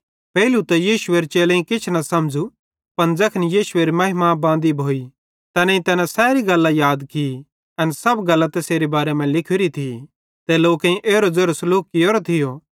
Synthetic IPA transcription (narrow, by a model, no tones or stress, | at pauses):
pɛːlut̪ɛjiːʃʊeːɾt͡ʃeːlɛ̃ĩkɪt͡ʃʰnɐsɐmd͡zu | pɐnd͡zɐkʰnjiːʃʊeːɾimɐɦɪmabãːnd̪ibʱoːi | t̪ɛːnãĩt̪ɛːnãsɛːɾiɡɐlːajaːd̪ki | ɐnsɐbɡɐlːat̪ɛseːɾebaːɾemɛ̃lɪkʰɪɾit̪ʰi | t̪ɛloːkẽĩʔeːɾod͡zɐɾəsloːkːijoːɾot̪ʰɪjo